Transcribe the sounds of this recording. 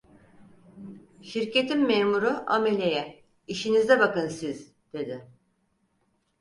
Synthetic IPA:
ʃiɾcʰe̞t̪ʰimːeːmuɾuʔa̰me̞lʲe̞jɛ | iʃinizd̪ɛbakɯnsiz̥ | d̪̥e̞d̪ɪ

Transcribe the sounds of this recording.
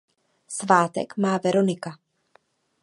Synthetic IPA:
svaːt̪ɛ̰kmaːvɛɾonɪka

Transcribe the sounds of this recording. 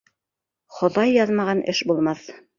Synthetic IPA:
χŏðɑjːɑðmɑʁɑnʔɘʃbulˠmɑθ

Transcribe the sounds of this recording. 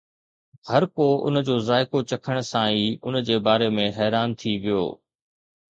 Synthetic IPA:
hɐɾkoʊ̰nd͡ʑoːzaːɪkot͡ɕɐkʰəɽ̃sãiːʊnd͡ʑeːbaːɾemẽɦɛːɾaːnt̪ʰiʋijo̰ː

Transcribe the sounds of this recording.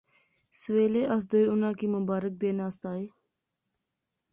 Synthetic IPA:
sʋeːleːʔəs̬d̪oiːʊnãːkiːmʊbaːɾɪk̚d̪eːnaːst̪aːeː

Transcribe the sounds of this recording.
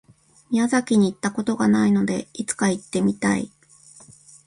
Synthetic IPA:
mʲiazakʲiɲ̟iːt̪ːako̞t̪o̞ɡanaino̞d̪e̞̰it͡sɨ̥kait̪ːe̞mʲit̪aḭ

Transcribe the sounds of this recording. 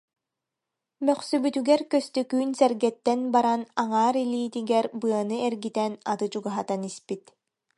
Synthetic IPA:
mœχsybyt̪yɡɛɾkœst̪œkyːnsɛɾɡɛt̪ːɛnbaɾanaŋaːɾilʲiːt̪iɡɛɾbɯɐnɯɛɾɡit̪ɛnat̪ɯt͡ɕuɡaɦat̪anispit̪

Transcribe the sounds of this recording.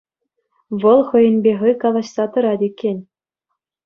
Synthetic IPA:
ʋɤ̆lˠχɤ̆jɤ̆nbʲeχɤ̆jkɑlˠɑɕsɑt̪ɤ̆ɾɑd̪ʲekʲːenʲ

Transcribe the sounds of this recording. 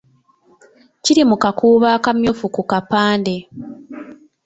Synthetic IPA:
ciɾimukakuːβaːkamjofukukapaːnde̞

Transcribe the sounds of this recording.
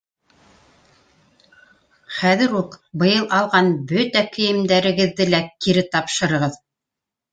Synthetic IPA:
χæðɘ̆ɾuqbɤ̆jɤlˠʔɑlˠʁɑnbɵt̪ækɵ̆jɘ̆md̪æɾɘ̆ɡɘ̆ðːɘlækiɾɘt̪ɑpʃɤ̆ɾɤ̆ʁɤð

